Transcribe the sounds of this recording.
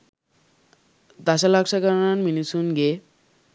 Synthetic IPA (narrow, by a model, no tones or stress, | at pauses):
d̪asalakʃakaɾnanminisunɡe